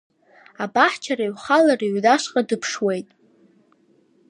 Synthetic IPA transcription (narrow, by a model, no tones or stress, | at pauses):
abaħt͡ʃʰaɾaɥχalariɥʷdaʃqʼadɨpʰʂwe̞jtʼ